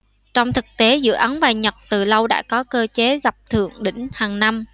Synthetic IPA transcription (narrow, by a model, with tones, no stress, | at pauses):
t͡ɕɔ˧wŋ͡mt̪ʰɨ˨˩k̚t̪e˨˦zɨ̰˧əʔə˨˦ŋvaː˨˩ɲə˨˩t̚t̪ɨ˨˩lə˧wɗa̰ː˧˥kɔ˨˦kəː˧t͡ɕe˨˦ɣa˨˩p̚t̪ʰɨ̰˧˨əŋɗï˧˩ŋ̟haː˨˩ŋna˧m